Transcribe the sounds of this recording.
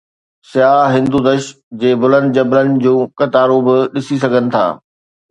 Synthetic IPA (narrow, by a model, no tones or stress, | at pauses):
sɪjaːɦɪ̃nd̪ud̪ɐʃ | d͡ʑeːbʊlə̃nd̪d͡ʑɐbɾənɪ̆d͡ʑũːkɐt̪aːɾobɪɗɪsisɐɡʱənɪ̆t̪ʰa̰ː